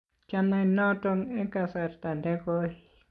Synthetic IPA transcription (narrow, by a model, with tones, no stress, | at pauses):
t͡ʃa˧nã˧nõ˦˧t̪o˧ŋe˦ka˧sa˧ɾt̪a˨nd̪e˦ko˦i˧